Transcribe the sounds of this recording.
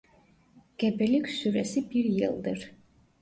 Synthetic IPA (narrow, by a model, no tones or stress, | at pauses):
ɡ̥ɛbɛlykʰʲsyɾɛsibiɾjɨ̰lˠd̪ɨɾ